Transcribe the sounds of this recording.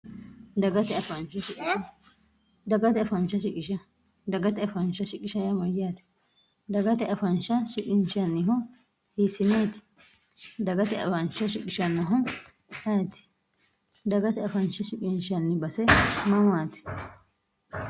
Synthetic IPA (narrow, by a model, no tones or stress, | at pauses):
d̪ɐɡɐt̪ɛɐfɐnʃɐʃɪkʼɪʃɐ | d̪ɐɡɐt̪ɛɐfɐnt͡ʃːɐʃɪkʼɪʃɐ | d̪ɐɡɐt̪ɛɐfɐnʃɐʃɪkʼɪʃɐjɐmɐjaːt̪ɪ̥ | d̪ɐɡɐt̪ɛʔɐfɐnʃɐʃɪkʼɪnʃɐnːɪɦɔ | hiːsɪneːt̪ɪ̥ | d̪ɐɡɐt̪ɛɐ̰fɐnʃɐʃɪkʼɪʃɐnːɐɦɔ | ʔɐt̪ɪ̥ | d̪ɐɡɐt̪ɛɐfɐnʃɐʃɪkʼɪnʃɐnːɪbɐsɛmɐmːaːt̪ɪ̥